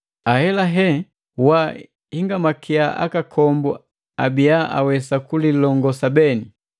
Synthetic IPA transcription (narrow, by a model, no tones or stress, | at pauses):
ahɛlaɦɛ | wa | hiŋɡamakʰiaʔa̰kakʰɔmbɔ | abiaʔa̰wɛsakulilɔŋɡɔsabɛni